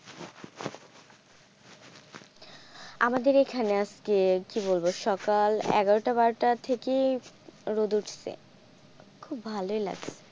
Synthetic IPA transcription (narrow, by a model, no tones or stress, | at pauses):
a̰mad̪eɾekʰaneaskekiβolboʃɔkalɛ̰ɡaɾoʈabaɾʈat̪ʰeke | ɾod̪uʈʰsʰḛ | kʰubbʱaloela̰ɡsʰe̥